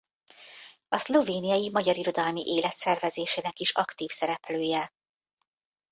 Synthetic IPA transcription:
ɒslo̞veːnijɒjimɒɟɒɾiɾo̞d̪ɒlmiʔeːlɛt̪sɛrvɛzeːʃeːnɛkiʃɒkt̪iːfsɛɾɛpløːjɛ

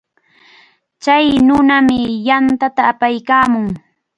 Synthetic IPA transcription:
t͡ʃajnʊnamɪjant̪at̪aːpajkaːmʊŋ

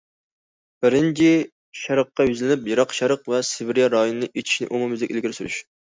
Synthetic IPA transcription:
b̥ɪɾɪnt͡ʃʰi | ʃɑɾəqːɑjyzlɪnɪpjɑɾɑqʃɑɾəqvɛsɪbɪɾjɑɾɑjonɨnɨʔet͡ʃ̪ʰi̥ʃnɪ̰ʔumumɨzd̪ɪkʲelɡʲiɾsyɾy̰ʃ

